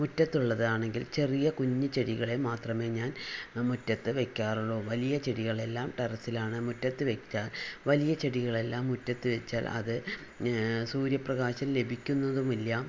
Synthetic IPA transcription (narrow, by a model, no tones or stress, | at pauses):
mutːɐt̪ːuɭːɐðaːɳe̞ŋɡilt͡ɕe̞rijɐkuɲːɨt͡ɕe̞ɽiɣɐɭe̞maːt̪rɐme̞ːɲaːnmutːɐt̪ːɨʋe̞kʲːaːruɭːo̞ːʋɐlijɐt͡ɕeɽiɣɐɭe̞lːaːmʈɐɾɐsilaːɳɨmutːɐt̪ːɨʋekt͡ɕːaːlʋɐlijɐt͡ɕeɽiɣɐɭe̞lːaːmːutːɐt̪ːɨʋe̞t͡ɕːaːlɐ̰ðɨ | suːɾjɐprɐɣaːɕɐmle̞bʱikʲːunːɐðumilːa